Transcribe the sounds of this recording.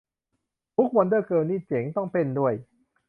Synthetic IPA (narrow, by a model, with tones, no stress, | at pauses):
t̪ʰu˦˥k̚wa˧ndɤː˥˩kɤː˧nːiː˥˩t͡ɕe˩˦ŋt̪ɔ˥˩ŋpe˧˥˩ndu˥˩əj